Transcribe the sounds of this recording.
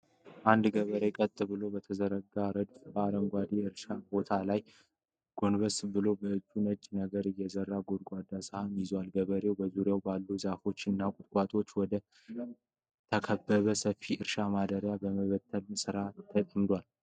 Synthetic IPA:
ʔand̪ɡəβəɾekʼət̪ʼːɨbɨlo̞bət̪ʰəzəɾəɡaɾəd̪bəaɾəŋɡʷad̪iɨɾʃabo̞t̪ʰalaj | ɡ̥o̞nbəsbɨlo̞bəɨd͡ʒːunəd͡ʒʼnəɡəɾjɛzərːaɡod̪ɡʷad̪ːashamjɪzwalɡəβəɾe̞wbəzuɾjawbalːuzafo̞t͡ʃːɨnːakʼʊt̪ʼkʼat̪ʼo̞t͡ʃːwɔd̪ə | t̪ʰəkʰəbːəβəsəfːiʔɨɾʃamad̪əɾjabəməβət̪ʰːəlsɨɾat̪ʰːət̪ʼəmd̪wal

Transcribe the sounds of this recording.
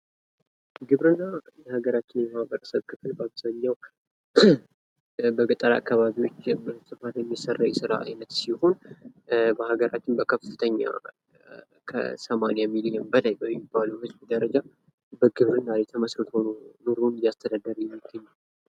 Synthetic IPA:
ɡɨβɾɨnːajɛhaɡəɾat͡ʃːɪnjɛməhabəɾsəβkʰɨfɨlbabsaɲːaw | bəɡɨt̪ʼːəɾa̰kːaβaβiwo̞t͡ʃːbsɨfat̪jɛmːisərːawjɛsɨɾa̰a̰jnət̪siho̞n | bəhaɡəɾa̰t͡ʃːɪnbəkʰəfɨt̪ʰəɲːa̰ | kʰə̰səmanijamiliəmbəlajbəmːibːaluhɨt͡ʃʼd̪əɾəd͡ʒa | bəɡɨβɾɨnːajɛt̪ʰəməsɾɨt̪ʰonnuɾunjast̪ʰəd̪ad̪əɾjɛmːiɡːəɲːa

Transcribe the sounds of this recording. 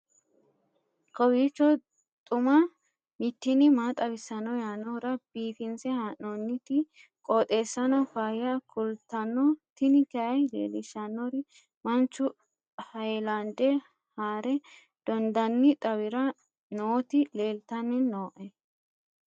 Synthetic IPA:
kɔwiːt͡ʃːɔ | t̪ʼʊmɐ | mɪt̪ːɪnɪmaːt̪ʼɐbɪsːɐnɔjaːnɔɾɐb̥iːfɪnsɛhanonːɪt̪ɪ | kʼoːt̪ʼe̞ːsːɐnɔfaːhɪjɐkʰʊlt̪ːɐnːɔt̪ɪnɪkɛɐjlḛːlɪʃɐnːɔɾɪ | mɐnt͡ʃːʊ | hɐjlɐnd̪ɛ | haːɾɛ | d̪̥ɔnd̪ɐnːɪt̪ʼɐwɪɾɐ | noːt̪ɪle̞ːlt̪ɐnːɪnːoːʔɛ

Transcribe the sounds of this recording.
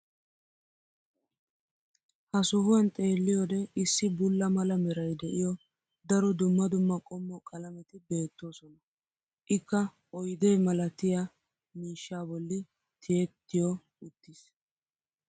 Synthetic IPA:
hɐsʊɦʊɐnt̪ʼe̞ːlːɪjɔd̪ɛʔɪsːɪbʊlːɐmɐlɐmɛɾɐjd̪ɛʔɪjɔ | d̪ɐɾɔd̪ʊmːɐd̪ʊmːɐkʼɔmːɔkʼɐlɐmɛt̪ɪbe̞ːt̪ːo̞ːsɔnɐ | ʔɪkːɐ | ɔjd̪eːmɐlɐt̪ɪja | miːʃːaːbɔlːɪ | t̪ʰɪjɛt̪ːɪjɔ | ʊt̪ːɪs

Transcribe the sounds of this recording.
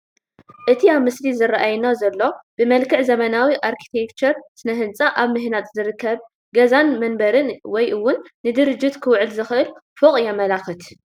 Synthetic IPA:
ʔɨt̪ʰiaβmɨslizɨraʔajnazɐlːo̞b̥ɨmɐlkɨʕzɐmɐnawiʔaɾkʰi̥t̪ʰekt͡ʃʰɐɾsɨnɐɦɨnt͡sʼaʔaβmɨɦnat̪zɨɾɨkːɐβ | ɡɐzanmɐnbɐɾɨnwɔjʔɨwːʊnːɨd̪ɨɾɨd͡ʒːɪt̪kʰɨwʕɨlzɨxʔɨlfokʼjɛmɐlaxɨt̪

